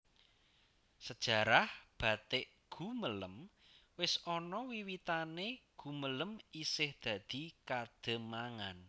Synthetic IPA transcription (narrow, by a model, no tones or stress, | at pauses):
səd̥ʒ̥a̤ɾahb̥ä̤t̪ɪʔ | ɡ̥ṳmələm | wɪsɔnɔwiwit̪aneɡ̥ṳmələmisɪhd̪̥ä̤d̪̥i̤kad̪̥ə̤maŋan